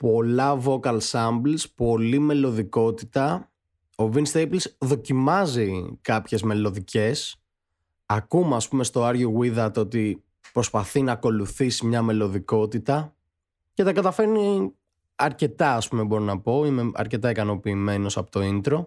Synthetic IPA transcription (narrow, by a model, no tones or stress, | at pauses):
po̞lɐvo̞kɐlsɐmblspo̞lime̞lo̞ðiko̞t̪it̪ɐ | o̞vinst̪ejplsðo̞cimɐzikɐpçe̞zme̞lo̞ðice̞s | ɐkumɐspume̞st̪o̞ɐɾʝoɣiðɐt̪ot̪i | pɾo̞spɐθinɐːko̞luθisimɲɐme̞lo̞ðiko̞t̪it̪ɐ | ce̞t̪ɐkɐt̪ɐfe̞ɾni | ɐɾce̞t̪ɐɐspumebo̞ɾinɐpo̞ine̞ɐ̰ɾce̞t̪ɐikɐno̞piːme̞no̞sɐpot̪o̞int̪ɾo̞